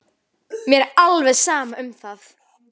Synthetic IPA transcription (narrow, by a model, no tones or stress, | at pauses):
mjɛɾalvɛðsaːmaʏmθaθ